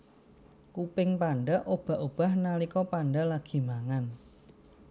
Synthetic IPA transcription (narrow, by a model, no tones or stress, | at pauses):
kupɪŋpaɳɖaʔob̥a̤ʔob̥a̤hnalikɔpaɳɖalaɡ̥i̤maŋan